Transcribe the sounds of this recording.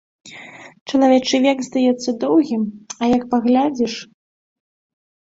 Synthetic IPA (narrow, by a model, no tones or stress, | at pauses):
t͡ʂɐlˠavʲɛt͡ʂɨvʲɛɡzd̪ajɛt̪sːɐd̪ɔwɣʲimɐjɐk̚paɣlʲad͡zʲiʂ